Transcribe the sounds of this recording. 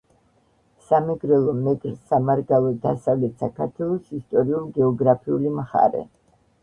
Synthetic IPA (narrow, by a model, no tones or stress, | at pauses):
samɛɡɾɛlˠɔmɛɡɾsamaɾɡalˠɔd̪asavlɛt̪sakʰaɾt̪ʰwɛlˠɔsist̪ʼɔɾiulˠɡɛɔɡɾapʰiulimχa̰ɾɛ̰